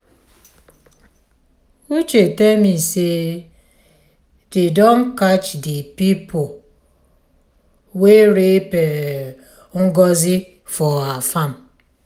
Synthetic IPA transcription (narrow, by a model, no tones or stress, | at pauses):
ut͡ʃetemise | didɔnkat͡ʃdipipʰo | weɾepe | ŋ̩ɡɔzi | fɔafam